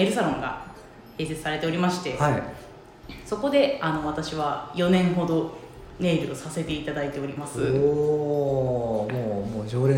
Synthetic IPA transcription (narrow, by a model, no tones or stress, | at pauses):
eɾɯ̟saɾõ̞ŋɡa̰ | he̞ːse̞t͡sɨ̥saɾe̞t̪e̞o̞ɾʲimaɕi̥t̪e̞hai | so̞ko̞d̪e̞ano̞βat̪aɕiβajo̞nẽ̞ɰ̃ɦo̞d̪o̞ | ne̞ːɾɯ̟osase̞t̪e̞it̪ad̪ait̪e̞o̞ɾʲimasɨ | moːmoːd͡ʑoːɾe